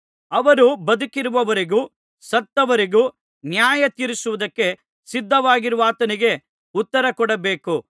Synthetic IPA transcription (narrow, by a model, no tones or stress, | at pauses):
ɐʋɐɾubɐd̪ukiɾuʋɐʋɐɾiɡuː | sɐt̪ːɐʋɐɾiɡuː | njaːjɐt̪iːɾisuʋud̪ɐkːe̞ | sid̪ʱːɐʋaːɡiɾuʋaːt̪ɐniɡe̞ | ut̪ːɐɾɐkɔɽɐbe̞ːku